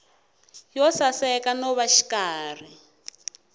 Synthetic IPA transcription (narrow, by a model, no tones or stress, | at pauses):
jɔsasɛkanɔβaʃi̥kaːr̤i